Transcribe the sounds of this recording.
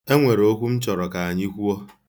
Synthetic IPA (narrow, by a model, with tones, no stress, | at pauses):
e˦ŋʷe˨ɾo˦kʷu˦m̩˦t͡ʃɔ˨ɾɔ˨ka˨a˨ɲi˦kʷu˦ɔ˦